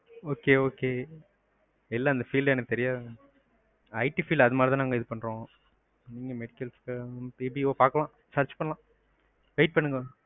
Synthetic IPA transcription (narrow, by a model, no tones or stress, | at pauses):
oːkeːoːkeː | ɛlːaːɐnd̪ɐfiːlɛːnɯkːɯt̪ɛɾɪjaː | ɐɪʈifiːlɐðɯmaːlt̪ãːnaːŋɡɐɪðɯpɐɳːɾõː | niːŋɡɐmɛɽɪkːɐlskpiːbioːpaːɾkɐlãː | sɐɾt͡ʃpɐɳːɐlãː | ʋɐɪʈ̚pɐɳːɯŋɡɐ